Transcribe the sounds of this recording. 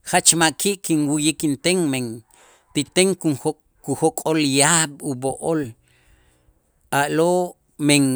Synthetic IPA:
χat͡ʃmaʔkiʔkinwujikint̪eŋmeŋ | t̪it̪eŋkuo | kuhokʼoljaɓuboʔol | aʔlo | meŋ

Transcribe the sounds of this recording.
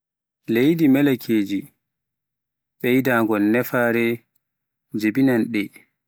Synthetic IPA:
lejdimɛlakʰeːd͡ʒi | ɓɛjdaːŋɡɔlnɛfaːɾɛ | d͡ʒebinanɗɛ

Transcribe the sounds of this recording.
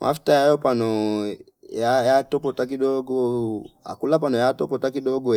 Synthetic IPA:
mʔa̰ftajajɔpanɔ | jajatɔpɔtak̬iɗɔɡɔa̰kulap̬anɔjatɔpɔtakiɗɔɡɔ

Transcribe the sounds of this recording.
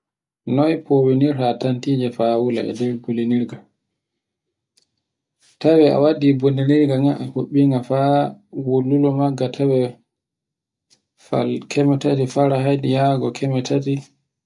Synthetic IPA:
nɔjpʰoweniɾhatantid͡ʒɛfawula̰ɛ̰dɛɾboliniɾɡa | tawɛa̰wadiboliniɾɡaŋaʔahoɓːiŋɡafawolːulɔmaɡːatʰawɛ | fa̰lkʰɛmɛtatifaɾahajɗijaɡɔkʰɛmɛtati

